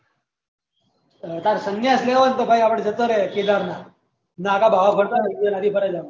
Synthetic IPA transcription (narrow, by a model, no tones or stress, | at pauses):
t̪aɾsəŋjasleʋənt̪əbʱajapɽd͡ʑət̪əɾeked̪aɾna | naːkabʱaʋapʰəɽt̪anaənad̪ʱiːpəɾəd͡za